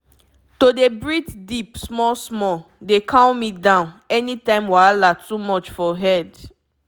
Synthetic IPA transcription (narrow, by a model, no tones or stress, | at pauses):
todebɹitdipsmɔlsmɔdekʰãʊ̃midãʊ̃nɛnitãɪ̃mwaalatumɔt͡ʃfɔɦɛd